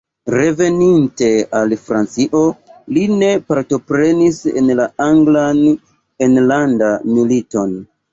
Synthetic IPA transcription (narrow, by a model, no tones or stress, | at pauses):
ɾe̞ve̞ninte̞alfɾant͡siʔo̞line̞paɾto̞pɾe̞nisḛnlaaŋɡlan | enlandamilito̞n